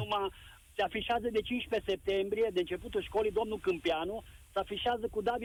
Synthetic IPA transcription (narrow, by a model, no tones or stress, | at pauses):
uma | seafiʃeazəd̪e̞t͡ʃint͡ʃpe̞se̞p̚t̪e̞mbɾije̞d̪eɨnt͡ʃe̞put̪ulʃko̞lijd̪o̞mnukɨmpianusəafiʃeazəkud̪avi